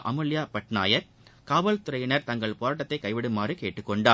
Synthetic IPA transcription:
ʔɐmɯlɪjaːpɐʈna̰ːjɐɾ | kaːʋɐlt̪ʊɾɐjɪnɐɾt̪ɐŋɡɐɭpoːɾaːʈ̬ːɐt̪ːɐɪkɐɪʋɪɽɯmːaːrɯkeːʈːɯkːɔɳɖaː

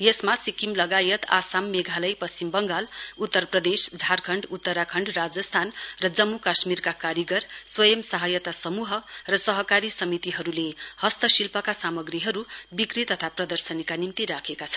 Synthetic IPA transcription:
jesmasikimlʌɡajʌt̪a̰samːeɡʱalʌjpʌsimbʌŋɡalut̪ːʌrprʌd̪esd͡zʱarkʰʌɳɖut̪ːʌɾakʰʌɳɖrad͡zʌst̪ʰanrʌd͡zʌmːukasmirkakaɾjiɡʌrswʌjʌmsʌɦʌjʌt̪asʌmuɦʌrʌsʌɦʌkaɾisʌmit̪iɦʌɾulehʌst̪ʌsilpʌkasamʌɡriɦʌɾubikrit̪ʌt̪ʰaprʌd̪ʌrsʌnikanimt̪iɾakʰekat͡sʰʌ̥nn

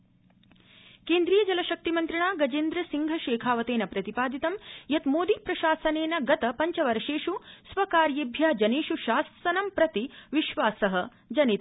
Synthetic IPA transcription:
keːnd̪ɾijɐd͡ʒɐlɐʃɐk̚t̪imɐnt̪ɾɐɳaːɡɐd͡ʒeːnd̪ɾɐsiŋɡʱɐʃeːkʰaːʋɐt̪eːnɐpɾɐt̪ipaːd̪it̪ɐmjɐt̪moːd̪ipɾɐʃaːsɐneːnɐɡɐt̪ɐpɐɲt͡ʃɐʋɐɾɐʃeːʃusʋɐkaːɾjebʱjaːd͡ʒɐneːʃuʃaːsɐnɐmpɾɐt̪iʋiʃʋaːsɐɦɐ̆ | d͡ʒɐnit̪

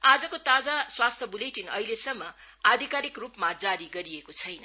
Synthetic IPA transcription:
ad͡zʌkot̪ad͡zaswast̪ʰʌbuleʈinʌ̰ilesʌmːʌ | ad̪ʱikaɾikrupmad͡zaɾiɡʌɾiekot͡sʰʌjnʌ

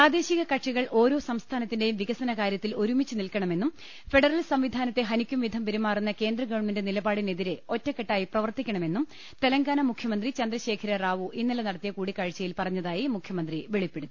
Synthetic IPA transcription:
praːd̪e̞ːɕiɣɐkɐʈʂiɣɐɭʔo̞ːɾo̞ːsɐmst̪ʰaːnɐt̪ːinde̞jumʋiɣɐsɐnɐkaːɾjɐt̪ːilo̞ɾumit͡ɕːɨnilkɐɳɐme̞nːum | fe̞ɽɐrɐlsɐmʋid̪ʱaːnɐt̪ːe̞ɦɐnikʲːumʋid̪ʱɐmpeɾumːaːrunːɐke̞ːnd̪rɐɡɐɻminde̞nilɐbaːɽine̞ðiɾe̞o̞tːɐkːeʈːaːjiprɐʋɐrt̪ikʲːɐɳɐme̞nːum | t̪elɐŋɡaːnɐmukʰjɐmɐnd̪rit͡ɕɐnd̪rɐɕe̞ːkʰɐɾɐraːʋuʔinːɐlɐnɐɽɐt̪ːijɐkuːɽikaːɻt͡ɕːɐjilpɐrɐɲːɐðaːjimukʰjɐmɐnd̪riʋeɭipːeɽuðu

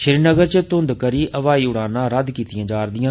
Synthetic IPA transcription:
ʃɪɾinəɡəɾt͡ʃət̪ʊnd̪kəɾiːʔəʋaːiːʊɽ̃aːnãːɾəd̪kiːt̪ɪjãːd͡ʒaːɾd̪ɪjãː

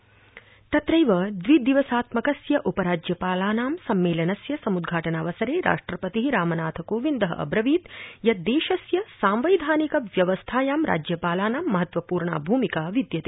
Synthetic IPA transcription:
t̪ɐt̪ɾɐjʋɐd̪ʋid̪iʋɐsaːt̪mɐkɐsjɐʔupɐɾaːd͡ʒjɐpaːlaːnaːmsɐmːeːlɐnɐsjɐsɐmud̪ɡʱaːʈɐnaːʋɐsɐɾeːɾa̰ːʂʈɾɐpɐt̪iɦiɾaːmɐnaːt̪ʰɐkoːʋind̪ɐɦɐ̰ɐ̰bɾɐʋiːt̪jɐd̪eːʃɐsjɐsaːmʋɐjd̪ʱaːnikɐʋjɐʋɐst̪ʰaːjaːmɾa̰ːd͡ʒjɐpaːlaːnaːmːɐɦɐt̪ʋɐpuːɾɳa̰ːbʱuːmikaːʋid̪jɐt̪e

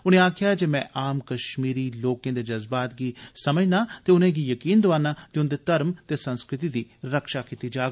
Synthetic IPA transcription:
ʊnẽːaːkʰɪjaːd͡ʒeːmɛ̃ːʔaːmkəʃmiːɾiːloːkẽːd̪eːd͡ʒəzbaːt̪ɡiːsəməd͡ʒnaːt̪eːʊnẽːɡiːjəkiːnd̪ʊaːnaːt̪eʊnd̪eːt̪əɾmt̪eːsənskɾɪt̪iːd̪iːɾəkʃaːkiːt̪iːd͡ʒaːɡ

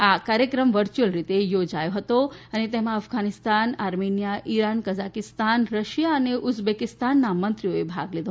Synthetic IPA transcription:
akaɾjəkɾəmʋəɾt͡ʃuəlɾit̪ejod͡ʒajoɦət̪oənet̪emãəfɡʱanist̪anaɾmenijaʔiɾankəzakist̪anɾəʃijaəneʔusbekist̪anːamənt̪ɾijoebʱa̰ɡled̪oo

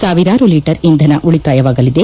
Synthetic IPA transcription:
saːʋiɾaːɾuliːʈɐɾind̪ʱɐnɐʔuɭit̪aːjɐʋaːɡɐlid̪e̞

